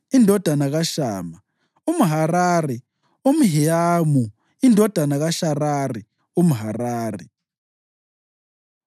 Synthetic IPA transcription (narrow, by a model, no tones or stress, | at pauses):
indʱɔd̥ʱanaɣaʃaːma | umuɦaɾaːrɛ | um̩ɦɛamu | indʱɔd̥ʱanaɣaʃararɛ | um̩ɦaraːrɛ